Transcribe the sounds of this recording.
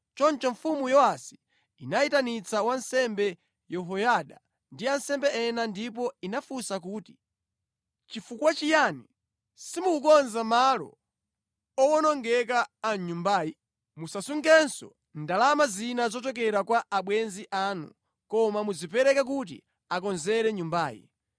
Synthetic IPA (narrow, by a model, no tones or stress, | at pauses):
t͡ʃɔnt͡ʃɔɱfumujɔasi̥ː | najitanit͡sawansɛmbɛ | jɔɦɔjaɗa | ndiansɛmbɛɛnandip̬ɔinafusakuːti̥ | t͡ʃifukwat͡ʃijaːni | simukukɔnzamalɔ̰ | ɔɔnɔŋɡɛk̬aːɲumbaːji | musasuŋɡɛnsɔ̰ | ndalamazinazɔt̬ɔk̬ɛɾakwaʔaɓwɛnziʔaːnṵ | kɔmamuzipɛɾɛkak̬ut̬ḭ | ak̬ɔnzɛɾɛɲumbaːjḭ